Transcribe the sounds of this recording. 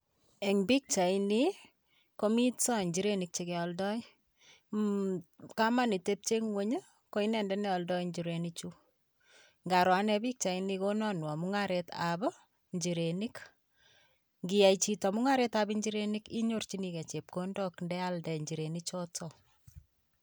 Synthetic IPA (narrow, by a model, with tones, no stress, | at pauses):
e˨ŋbi˦k̚t͡ʃa˨ini | ko˦mi˦tt͡sɔ˦˨ɲd͡ʒi˨ɾenik̚t͡ʃekɛ˨ɔ˨ldɔ˦i | ka˦ma˦ni˨te˦p̚t͡ʃe˦ŋwe˦ɲə˦ | ko˦i˦nɛ˨ndɛnɛ˦ɔ˨ldɔ˦iɲd͡ʒiɾe˨nit͡ʃu | ŋɡa˨ɾwa˦nɛ˦bi˦k̚t͡ʃa˨inikonɔnwɔ˨muŋaɾeta̰bɔ˦ | ɲd͡ʒi˨ɾeni˦k | ŋɡija˨it͡ʃitɔ˨mu˦ŋa˦ɾetabi˦ɲd͡ʒi˦ɾeniki˦ɲo˦rt͡ʃinikɛ˨t͡ʃe˨p̚kondɔkndɛ˦aldɛ˨ɲd͡ʒi˨ɾe˨nit͡ʃɔtɔ